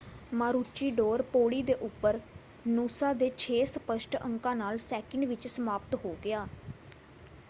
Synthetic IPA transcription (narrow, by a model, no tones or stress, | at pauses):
maːɾuːt͡ʃiːɖoːɾpoːɽiːd̪eːʔʊpːəɾ | nuːsaːd̪eːt͡ʃʰeːsəpəʃʈəŋkãːnaːlsɛːkəɳɖʋɪt͡ʃsəmaːpt̪ɦoːɡɪaː